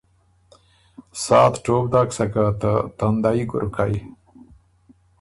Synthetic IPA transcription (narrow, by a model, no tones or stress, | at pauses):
sɑːt̪ʈoːk̚d̪aːksakat̪ət̪and̪aiɡʊ̰ɾukaj